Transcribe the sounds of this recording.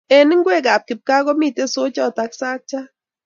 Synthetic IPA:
ɛ˨nɪ˦ŋɡwe˦˨ka˨p̚kɪ˨p̚ka˦kɔ˦miː˦te˦so˦t͡ʃɔ˦ta˧˦ksa˦k̚t͡ʃa˦

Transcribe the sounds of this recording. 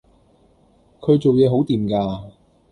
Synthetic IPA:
kʰɵ˨˧ɥt͡so˨wjɛː˨˧ɦo˨˥wt̪iː˨˩mkaː˧

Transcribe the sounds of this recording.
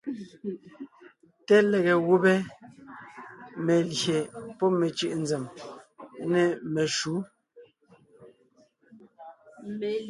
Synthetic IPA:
tɛ˦lɛ˨ɣɛ˨ɣu˦bɛ˦ | me˨lje˨pɔ˦me˨t͡ʃɯ˦˨ʔn̩˨d͡zɛ˨m˦ | nɛ˨mɛ˨ʃu˨˦

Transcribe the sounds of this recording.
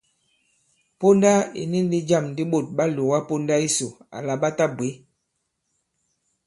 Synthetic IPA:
po˦nda˦ḭ˨ni˦n˦di˦d͡ʒa˦˨mndi˦ɓo˦˨t̚ɓa˦lo˨wa˦po˦nda˦i˦so˨a̰˨la˨ɓa˦ta˦bwe˨˦

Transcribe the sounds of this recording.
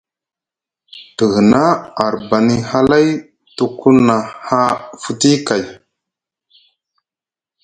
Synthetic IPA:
tə˨ɣə˨na˦a˨ɾba˨ni˦ha˦la˦j | tu˨ku˦na˨ha˦fu˦ti˦ka˨j

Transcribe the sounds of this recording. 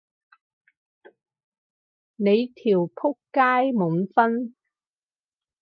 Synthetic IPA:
ne˨˧jt̪ʰiː˨˩wpʰʊ˥kkaː˥jmu˨˥nfɐ˥n

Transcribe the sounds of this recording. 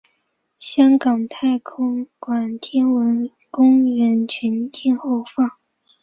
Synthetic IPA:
ɕjɑ˥ŋkɑ˨˩ŋt̪ʰa˥˩ɪkʰʊ˥ŋkwa˨˩nt̪ʰjɛ˥nwə˧˥n | kʊ˥ŋɻə˧˥nt͡ɕʰy˧˥ntɛ˥˧nxo˥˧ʊfɑ˥˩ŋ

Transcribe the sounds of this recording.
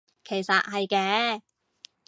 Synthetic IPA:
kʰe˨˩jsɐ̰˨t̚ɦɐ˨jkɛː˨˥

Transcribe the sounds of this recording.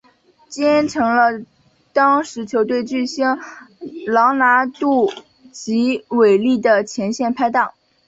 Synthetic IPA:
t͡ɕjɛ˥nʈ͡ʂʰɤ˧˥ŋlə˧ | t̪ɑ˥ŋʂɻ̩˧˥t͡ɕʰjo˧˥ʊt̪we˥˧ɪt͡ɕy˥˩ɕi˥ŋ | lɑ˧˥ŋna˧˥t̪u˥˩ | t͡ɕi˧˥we˨˩ɪli˥˩d̪ə˩t͡ɕʰjɛ˧˥nɕjɛ˥˩npʰa˥ɪt̪ɑ˥˩ŋ

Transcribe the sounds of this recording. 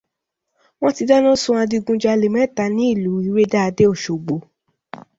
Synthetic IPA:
w̃ɔ̃˦ti˧da˦nũ˦sũ˧˦a˧di˧ɡũ˧d͡ʒa˧le˨mɛ̃˦˨ta˨˦nĩ˨˦i˦˨lu˨˦i˨˦ɾe˦da˦a˧de˦o˦˨ʃo˨ɡ͡bo˨˦

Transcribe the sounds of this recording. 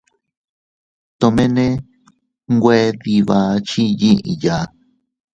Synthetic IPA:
t̪õ˧mẽ˦nẽ˦ | ŋɡʷe˧˦ði˧βa˧t͡ʃi˦ji˦ʔḭ˧ja˨

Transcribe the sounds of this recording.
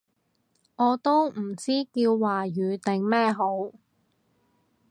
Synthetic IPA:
ŋɔː˨˧t̪o˥wm̩˨˩t͡siː˥kiː˧wːaː˨˩jyː˨˧t̪ɪ˨ŋmɛː˥ɦo˨˥w

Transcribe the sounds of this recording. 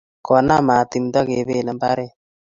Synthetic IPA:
kɔ˨na˦ma˨t̪i˨mda˦ke˨be˦˨nɛ˦mba˦ɾe˦˨

